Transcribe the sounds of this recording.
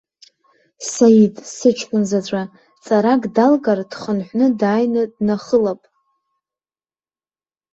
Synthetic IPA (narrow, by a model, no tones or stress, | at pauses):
sajitʼsɨt͡ʃʷʰkʷʼʊnzat͡sʷʼa | t͡sʼaɾakʼdalɡard̥χənħʷnɨdaːjnɨdnaχəlapʼ